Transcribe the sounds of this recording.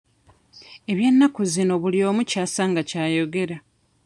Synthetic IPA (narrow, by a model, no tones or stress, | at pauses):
e̞βjenːakuzino̞βulio̞ːmucaːsaːŋɡacaːjo̞ɡe̞ɾa